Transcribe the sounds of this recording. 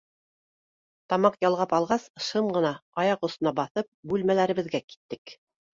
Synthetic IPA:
t̪ɑmɑqjɑlˠʁɑpɑlˠʁɑsʃɤmʁɤ̆nɑɑjɑqŏsŏnɑbɑθɤp̚bʉlmælæɾɘ̆βɘ̆ðɡæki̥t̪ːɘk

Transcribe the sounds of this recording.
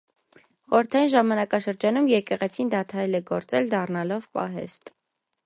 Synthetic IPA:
χɔɾəɾt̪ʰɑjinʒɑmɑnɑkɑʃəɾd͡ʒɑnumjɛkɛʁɛt͡sʰind̪ɑt̪ʰɑɾɛlɛɡɔɾt͡sɛld̪ɑrnɑlɔvpɑ̰ɦɛ̰st̪

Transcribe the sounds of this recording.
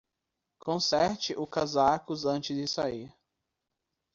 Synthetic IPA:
kõsɛɾt͡ʃɪʔʊkazakʊzɐ̃nt͡ʃɪzd͡ʒɪsaiɾ

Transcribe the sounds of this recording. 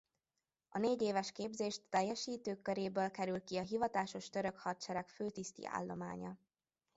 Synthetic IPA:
ɒneːɟeːvɛʃkeːbzeːʃt̪ːɛjːɛʃiːt̪øːkːøɾeːbøːlkɛɾylkiɒɦivɒt̪aːʃo̞ʃt̪øɾø̞khɒt̪t͡ʃɛɾɛkføːt̪ist̪ḭʔa̰ːlːo̞̰ma̰ːɲɒ

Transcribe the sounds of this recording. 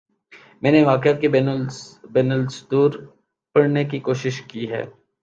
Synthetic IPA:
mɛ̃ːneʋaːkɪat̪̚kebɛbɛːnəlsd̪uːɾ | pɐɽnek̬ikoːʃɪʃkiɦɛ̰ː

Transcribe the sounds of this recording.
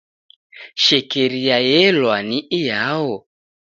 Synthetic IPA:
ʃɛkɛɾijajɛlwaniʔijaɔ

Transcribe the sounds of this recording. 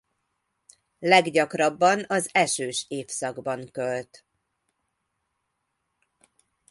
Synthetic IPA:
lɛɡɟɒkrɒbːɒnɒzɛʃøːʃeːfsɒɡbɒŋkølt̪

